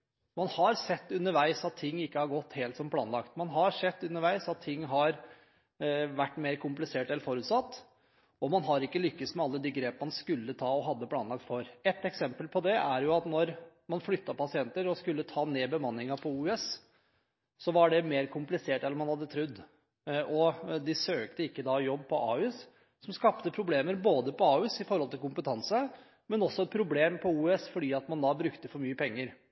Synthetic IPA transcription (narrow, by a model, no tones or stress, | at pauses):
mɑnhɑɾsɛt̪ːʉnːəɾʋæɪsɑt̪ʰːɪŋːɪkːəhɑɾɡɔt̪ːheːlt̪sɔmpʰlɑːnlɑkt̪mɑnɦɑɾʂɛt̪ːʉnːəɾʋæɪsɑt̪ʰːɪŋːɦɑɾ | ʋæʈːmeːɾkʰʊmplɪseːʈɛlːəɾfɔɾʉːt̪sɑt̪ː | ɔmɑnɦɑɾɪkːəlʏkːəsmɛɑlːəd̪ɛɡɾeːpəɑnskʉlːət̪ʰɑːɔɦɑd̪ːəpʰlɑːnɑk̚t̪fɔɾɛt̪ːɛksɛmpəlpʰɔd̪ɛʔæɾjʊɑt̪nɔɾ | mɑnflʏt̪ːɑpɑsɪɛnt̪əɾɔskʉlːət̪ʰɑːneːbəmɑnːɪŋɑpʰɔuːɛs | sɔʋɑɖɛmeːɾkʰʊmplɪseːʈɛlːɔmhɑnhɑd̪ːət̪ʰɾʉd̪ː | ʔɔd̪ɪsøːkt̪əɪkːəd̪ɑjɔbːpʰɔʔɑːʉːs | sɔmskɑpt̪əpʰɾʊbleːməɾboːd̪əpɔɑːʉsɪfɔɾhɔlt̪ʰɪlkʊmpət̪ʰɑnsə | mɛnɔsːɔɛt̪̚pʰɾʊbleːmpʰɔuːɛsfɔɖiːɑt̪mɑnd̪ɑbɾʉkt̪əfɔɾmyːəpʰɛŋːəɾ